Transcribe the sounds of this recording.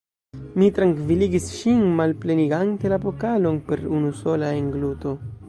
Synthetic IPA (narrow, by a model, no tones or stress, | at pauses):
mit̪ɾaŋkviliɡisʃinmalpleniɡant̪elapokalonpe̞ɾunuso̞laeŋɡlut̪o̞